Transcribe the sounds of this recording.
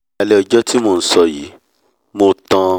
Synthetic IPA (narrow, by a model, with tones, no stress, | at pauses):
a˧lɛ˦ɔ˧˨d͡ʒɔ˦ti˦mo˧˨n̩˨˦sɔ˧ji˨˦ | mo˧tã˧